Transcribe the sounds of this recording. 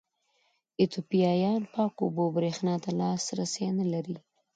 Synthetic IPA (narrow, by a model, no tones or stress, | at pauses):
ɪt̪opijɑjɑnpɑkobobɾexnɑt̪alɑsɾasenalaɾi